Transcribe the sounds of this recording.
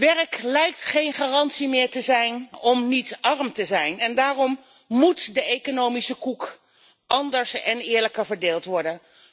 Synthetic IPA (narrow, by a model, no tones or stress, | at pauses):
ʋɛrklɛjk̚tχejnχaːrɑntsimɪːɹtəzɛjnɔmnitɑrmtəzɛjnɛndaːrɔm | mutdəejkonowmisəkuk | ʔɑndəɹsɛnɪːɹləkəɹvəɹdeːlˠtʋɔɹdən